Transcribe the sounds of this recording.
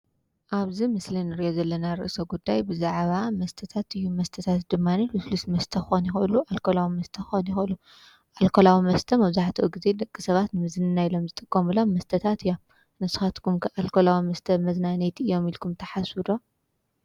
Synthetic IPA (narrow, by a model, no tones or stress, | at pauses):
ʔaβzimɨslinɨɾiʔozɐlːɐnaɾɨ̰ʔsoɡud̪ːajbɨzaʕβamɐst̪ʰɐt̪ʰat̪ɨjːumɐst̪ʰɐt̪ʰat̪d̪ɨmːanilɨflusmɐst̪ʰɐxonjɪxʔɨluʔalkʰolawimɐst̪ʰɐxonjixʔɨlu | ʔalkʰolawimɐst̪ʰɐmɐβzaħt̪ʰɐʔuɡize̞d̪ɐkʼːisɐβat̪nɨmɨzɨnɨnajlo̞mzɨt̪ʼɨkʼːomɨlomːɐst̪ʰɐt̪ʰat̪ɨjːo̞m | nɨsɨ̥xɐt̪kʰumkʰɨʔalkʰolawimɐst̪ʰɐmɐznanet̪ɨjo̞milkʰumt̪ʰɐħasud̪o̞